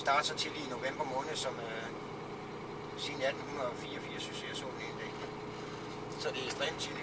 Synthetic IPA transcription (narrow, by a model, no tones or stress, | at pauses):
sd̥ɑ̈ːd̥sɒ̽t͡sʰe̝lḭːno̝ʋem̰b̥ɐmɔ̽ːnð̩ˠsɒ̽mø | sinæd̥n̩hunɒfiːɐɒfiːɐsy̥seɐso̝̰ːnend̥ḛɡ̥d̥i | sɒ̽d̥e̝esd̥ʁɛ̰ːmt͡sʰil